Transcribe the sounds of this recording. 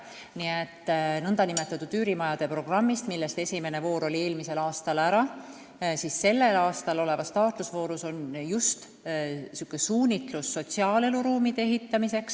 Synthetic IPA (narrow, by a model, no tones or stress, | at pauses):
niet̪ːˑnɤnd̪ɑnime̞t̪ːˑɑt̪ud̪yːɾimɑjɑd̪̥e̞pro̞ɡ̥rɑmːist̪milːe̞st̪e̞sʲime̞ne̞vo̞ːɾo̞lʲie̞ːlmise̞lɑːst̪ɑlæɾɑ | sisse̞lːe̞lɑːst̪ɑlo̞le̞vɑst̪ɑːt̪lusvo̞ːɾuso̞njust̪ | sukːˑesuːnʲit̪lusːo̞t̪ʲsiɑːle̞luɾuːmid̪̥e̞ɦit̪ːɑmise̞ks